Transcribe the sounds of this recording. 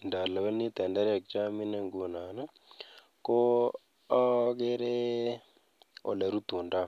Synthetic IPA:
nda˨la˨wa˦ni˦t̪ɛ˨nda˦ɾa˨k̚t͡ʃa˦mi˦ne˨ŋɡu˨na˨na˦ | ko˦ | a˦ɡe˦ɾe˦ | o̰˨la˨ɾu˦t̪u˨nda˦

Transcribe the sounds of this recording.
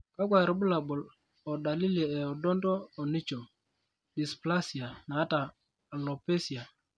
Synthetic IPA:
ka˦kʷa˨ɾɪ˨˦bʊ˦la˨bʊ˨l | ɔ˨da˨li˦li˨ɛ˨ɔ˨dɔ˦ndɔː˦˨ni˦t͡ʃo˨ | ɗi˨spla˦si˨a˨naː˨˦taː˨ | lɔ˨pe˦si˨a˨

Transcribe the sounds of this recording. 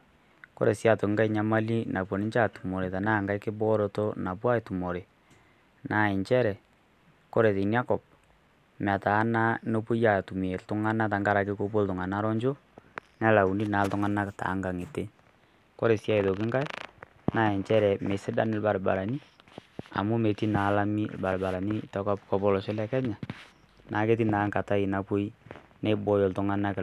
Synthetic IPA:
ko̰˦ɾe˨sja˨to˨ŋ˦ɡa˦i˦ɲa˦ma˦li˦na˨pwo˨ni˦ɲt͡ʃa˦˨tu˨mo˨ɾe˨ta˨na˦˨ŋɡa˦jkɪ˦bɔ˦ɾo˨to˦na˨p̬wa˦e˨tu˨mo˨ɾe˨ | na˨e˨ɲt͡ʃɛ˦ɾɛ˨ | ko˦ɾe˨te˨nja˦kɔ˨p̚ | m˨a˨taː˨˦na˦no˦po˦ja˨tu˨m˨e˨ltʊ˦ŋa˦na˦t̬a˨ŋɡa˦ɾa˨kɪ˦ko˦p̬o˦ltʊ˨ŋa˨na˦ɾɔ˦ɲd͡ʒo˦ | nɛ˦la˨u˨ni˦na˨˦ltʊ˨˦ŋa˦na˦kta̰˨˦ŋɡa˨ŋɪ˨te˦ | kɔ˦ɾe˨sja˦i˨ðo˨k̬ɪ˦ŋɡa˦j | na˦ɛ˨ɲt͡ʃɛ˦ɾɛ˨me˨sɪ˦da˦nɪ˦lba˨ɾba̰˨ɾa˨ni˦ | a̰˨mu˦me˨ti˦na˨˦la˦mi˦lba˨lba˨ɾa˨ni˦tɔ˨˦kɔ˦pkɔ˨pɔ˦lɔ˨ʃɪ˦lɛ˦kɛ˦ɲa˨ | nʔa˨˦ke˦t̬i˦na˨˦ŋka˨ta˦ɪ˨na˨pu˦j | ne˦bɔ˦jɔ˨ltʊ˨ŋa˦na˦k

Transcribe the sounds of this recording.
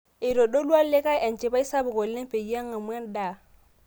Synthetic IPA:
ɪ˨ɾɔ˨ɗo˦lwa˦le˦ka˦ʔɛ˨n˨t͡ʃɪ˨ba˦i˦sa˦bʊ˨kɔ˨lːɛ˦m˦pe˨i˨˦a˦ŋ˦a˨mwɛ˦n˦da˨

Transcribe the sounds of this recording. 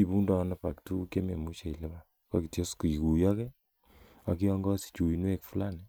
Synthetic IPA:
i˨bu˦ndɔ˨napa˨ktu˦kje˦me˨mu˦t͡ʃe˨i˨le˦ba | ka˦ki˨tje˦sku˨i˨ku˨jakɛ˦ | a˨ki˦ɔ˦ŋɡɔ˦si̥˨t͡ʃu˨i˨nwe˦kfu˦lanɛ

